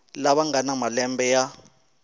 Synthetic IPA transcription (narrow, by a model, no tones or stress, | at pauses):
laβaŋanamalɛmbɛja